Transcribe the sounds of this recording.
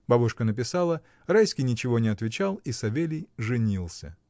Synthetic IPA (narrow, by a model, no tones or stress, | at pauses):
babʊʂkənəpʲɪsalˠə | rajsʲkʲɪjnʲɪt͡ɕɪvo̞nʲɪɐt̪vʲɪt͡ɕalˠisɐvʲelʲɪjʐɨnʲilˠsʲə̰